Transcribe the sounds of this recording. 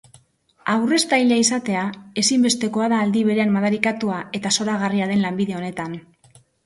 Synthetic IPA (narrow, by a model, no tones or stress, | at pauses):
awre̞st̪ajʎaisat̪e̞ae̞simbe̞st̪e̞ko̞aðaːld̪iβ̞e̞ɾe̞ammaðaɾikat̪uae̞t̪aso̞ɾaɣariaðe̞nlambiðe̞o̞ne̞t̪an